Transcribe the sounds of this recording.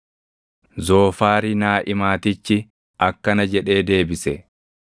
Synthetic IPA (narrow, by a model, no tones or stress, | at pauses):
zo̞ːfaːɾɪnaːʔɪmaːt̪ɪt͡ʃːɪ | ʔɐkːɐnɐd͡ʒɛᶑe̞ːd̪e̞ːbɪsɛ